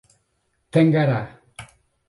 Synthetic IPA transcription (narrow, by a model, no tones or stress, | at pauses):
t̪eŋɡaɾa